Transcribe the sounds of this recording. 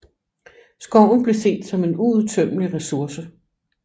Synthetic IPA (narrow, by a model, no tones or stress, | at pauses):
sɡ̥ɒʊ̰n̩b̥le̝se̝̰ːd̥sɒ̽me̝nuuðˠt͡sʰøm̰əliʁɛsuɐsə